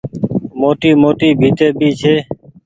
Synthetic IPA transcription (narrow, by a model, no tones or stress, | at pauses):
moːʈiːmoːʈiːbʱiːt̪eːbʱiːt͡ʃʰeː